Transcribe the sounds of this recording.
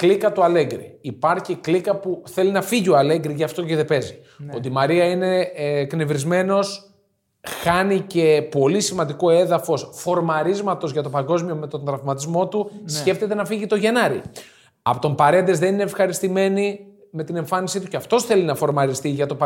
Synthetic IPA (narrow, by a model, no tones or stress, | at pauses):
klikɐt̪uɐle̞ŋɡɾḭːpɐɾçiklikɐpuθe̞linɐfiʝioɐle̞ŋɡɾiʝɐft̪o̞ceðe̞pe̞zi | o̞t̪imɐɾiɐine̞kne̞vɾizme̞no̞s | xɐnice̞po̞lisimɐnd̪iko̞e̞ðɐfo̞sfo̞ɾmɐɾizmɐt̪o̞zʝɐt̪o̞pɐŋɡo̞zmio̞me̞t̪o̞nd̪ɾɐvmɐt̪izmo̞t̪usce̞ft̪e̞t̪enɐfiʝit̪o̞ʝe̞nɐɾḭ | ɐpot̪ompɐɾe̞nd̪ezðe̞nine̞ːfxɐɾist̪ime̞ni | me̞t̪ine̞ɱfɐnisit̪uceɐft̪o̞sθe̞linɐfo̞ɾmɐɾist̪iʝɐt̪o̞p